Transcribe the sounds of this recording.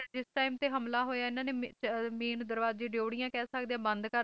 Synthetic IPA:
d͡ʒɪsʈaːimt̪eːɦəmlaːɦoːjaːɪnãːneːmeːnd̪əɾʋaːzd͡ʒiːɖjoːɽijãːkɛːsəkd̪eãːbənd̪kəɾ

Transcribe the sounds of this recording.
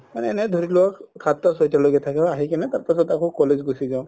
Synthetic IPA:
manɛːnɛd̪ʱoɾilɔɔkkʰːat̪ːɔsɔjtaloɡɛt̪ʰakɛbaɦikanɛtaɹpasɔtakokɔlezɡusizaʊ̃

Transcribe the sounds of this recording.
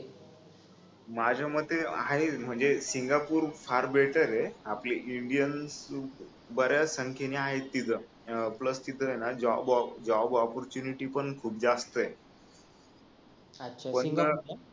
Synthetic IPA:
mad͡ʑʱaməd̪ʱːeaɦem̤əɳd͡zesiŋɡapuːɾfaɾbeʈəɾeapliʔiɳɖijəns | bəɾjasəŋkʰjeniaɦet̪ːit̪ə | pləst̪it̪əɦenad͡ʑɔbd͡ʑɔbɔpɔɾt͡ɕuniʈiːpəɳkʰuːp̚d͡zast̪əe | pəɳt̪ə

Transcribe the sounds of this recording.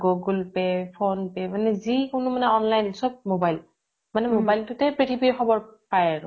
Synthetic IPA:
ɡoɡulpɛpʰonpɛmanɛzikʊnʊmanɛɔnlajnsɔb̚mobajl | manɛmobajltʊtɛpɹitʰibiɹxɔbɔɹpajaɹʊ̃

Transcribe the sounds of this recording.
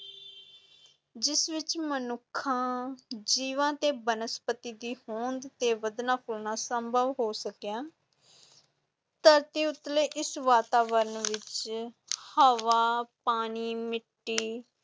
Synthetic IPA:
d͡ʒɪsʋɪt͡ʃmənʊkʰːãːd͡ʒiːʋãːt̪eːbənəspət̪iːd̪iːhõːnd̪t̪eːʋəd̪nãːpʰʊlnaːsəmbʱəʋɦoːsəkjãː | t̪əɾt̪iːʊt̪leːʔɪsʋaːt̪aːʋəɾənʋɪt͡ʃ | həʋaːpaːniːmɪʈːiː

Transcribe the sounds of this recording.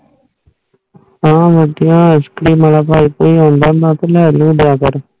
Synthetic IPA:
ãːʋəd̪ɪjãːəskɽiːmaːlaːpaːiːpoːiːɦõːnd̪ãːd̪ãːt̪elɛːlũːd̪jaːkəɾ

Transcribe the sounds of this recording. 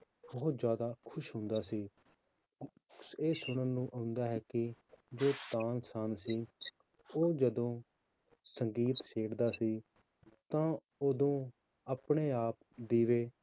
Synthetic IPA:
bɔːt̪zjaːd̪aːkʰʊʃɦʊ̃nd̪aːsiː | eːsʊɽ̃əːnũːʔaʊnd̪aːɦɛːkɪd͡ʒoːt̪aːnsaːnsiː | oːd͡ʒəd̪õː | səŋɡiːt̪ʃeːɽd̪aːsiː | t̪ãː | oːd̪õː | aːpɳeːaːp̚ | d̪iːʋeː

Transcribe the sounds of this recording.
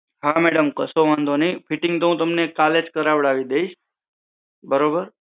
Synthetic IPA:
ɦameɽəmkəsoʋãnd̪onəĩfʰɪʈɪŋɡt̪oũt̪əmnekaled͡ʒkəɾaʋɭaʋid̪eiʃ | bəɾobəɾ

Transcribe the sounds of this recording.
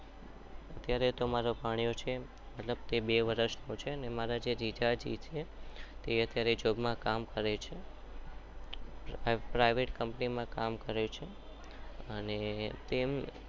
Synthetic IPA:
ət̪jaɾet̪omaɾopaɽ̃ijot͡ʃʰe | məʈləb̚t̪ebeʋəɾəʃnot͡ʃʰeənemaɾad͡ʒeɾid͡ʒad͡ʒḭt̪ʰet̪eət̪jaɾed͡ʒobmãkamkəɾet͡ʃʰe | pɾajʋeʈkəmpnimãkamkəɾet͡ʃʰe | ənet̪em

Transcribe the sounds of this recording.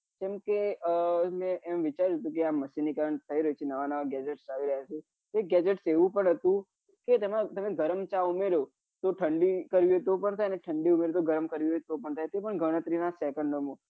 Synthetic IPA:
kemke | mɛ̃ʔemʋɪt͡ʃaɾuɦət̪ũk̬eamːəsinikəɾəɳt̪ʰəiɾəɦut͡ʃʰenəʋanəʋaɡɛd͡ʒeʈsaʋiɾəɦjat͡ʃʰe | eɡɛd͡ʒeʈseʋũpəɳɦət̪ũ | ket̪əmat̪əmeɡʱəɾəmt͡ʃaumeɾo | t̪oʈʰəɳɖikəɾʋiɦot̪opəɳt̪ʰajəneʈʰəɳɖiumeɾot̪oɡəɾəmkəɾʋiet̪opəɳt̪ʰajt̪epəɳɡʱəɽ̃ət̪ɾinasɛkəɳɖomõ

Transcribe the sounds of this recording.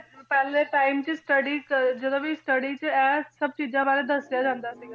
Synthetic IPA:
pɛːlẽʈaːɪmt͡ʃəsʈəɽid͡ʒəd̪õːʋisʈəɽiːt͡ʃəɛːsəb̚t͡ʃiːd͡ʒãːbaːɾed̪əsjad͡ʒãːnd̪aːsiːɡa

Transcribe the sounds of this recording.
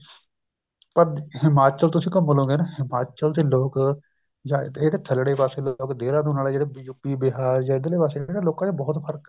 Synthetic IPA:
pəɾɦɪmaːt͡ʃəlt̪ʊsĩːkəmːəlõːɡeːnaɦɪmaːt͡ʃəld̪eːloːk | jaːeːd̪eːt̪ʰəlɽeːpaːseːloːkd̪eːɾãːd̪õːnaːlaːd͡ʒeːɽeːbjupːiːbɪɦaːɾjãːɪd̪leːpaːseːeːɽaloːkãːt͡ʃabɔːt̪pʰəɾk

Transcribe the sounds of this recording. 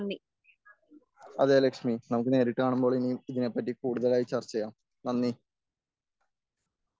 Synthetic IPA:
nːi | ɐðelekʂminɐmuk̬ːɨne̞ːɾiʈːɨaːɳumbo̞ːɭiniiðine̞pːɐt̬ːikuːɽuðɐlaːjit͡ɕɐrt͡ɕːɐjaːm | nɐnːi

